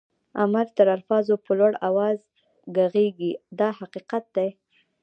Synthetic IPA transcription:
amaɾt̪əɾalfɑzopəlwaɽawɑz | ɡaɣeɡid̪ɑhaqiqat̪̚d̪aj

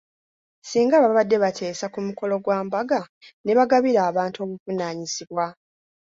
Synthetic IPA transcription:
siːŋɡaːβaβadːe̞βatʰe̞ːsakumuko̞lo̞ɡwaːmbaɡane̞βaɡaβiɾaːβaːntuo̞ːβuvunaːɲisiβwa

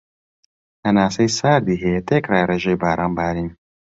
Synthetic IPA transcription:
tɐnaːsɐjsaːɾd̪iɦeet̪eːkraːjɾeːʒejbaːɾaːnbaːɾim

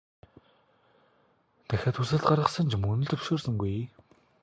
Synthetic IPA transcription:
t̪ʰæxʲaːt̪ʰusɘ̆ɮt̪ɢaɾʁə̆χsə̆nt͡ɕʰmɵnɵ̆ɮt̪ʰɵʃoːrsə̆ŋɡuj

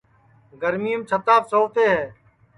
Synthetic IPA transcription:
ɡəɾmiːəmt͡ʃʰət̪aːpsoːʋt̪eːɦɛː

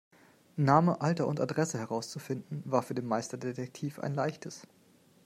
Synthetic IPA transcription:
naːməʔaltɐʊnta̰dʁɛsəhɛʁaʊst͡sufɪndn̩vaːɐfyːɐdeːmaɪstɐdetʰɛk̚tʰiːfʔa̰ɪnlaɪçtʰəs

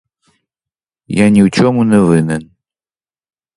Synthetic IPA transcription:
janʲiwt͡ʃʰomunɐvɨnɨn

